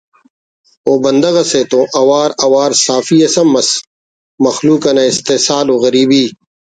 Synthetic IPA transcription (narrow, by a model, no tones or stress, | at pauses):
oːbɐnd̪ɐɣɐseːt̪õːʔɐwaːɾɐwaːɾsaːfiɐsɐmːɐs | mɐxluːkɐnɐɪst̪eːsaːloːɣɐɾiːbiː